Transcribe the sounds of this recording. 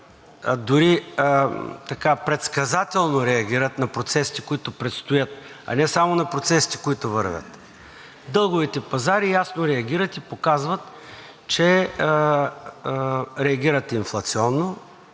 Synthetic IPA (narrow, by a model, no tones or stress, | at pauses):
d̪ʊɾi | t̪ɐkapɾɛt̪skɐzat̪ɛlˠnoɾɛɐɡ̟ʲiɾət̪nɐpɾot̪sɛsi̥t̪i̥koit̪ʊpɾɛt̪st̪ojət̪̚ | ɐ̰nɛsamonɐpɾot̪sɛsi̥t̪i̥koit̪ʊvə̰ɾvʲə̰t̪ | d̪ɤlˠɡʊvit̪ɛpɐzaɾijasnoɾɛɐɡʲiɾət̪ipokazvət̪ | t͡ʃɛ | ɾɛɐɡʲiɾət̪inflˠɐt̪siɔnːo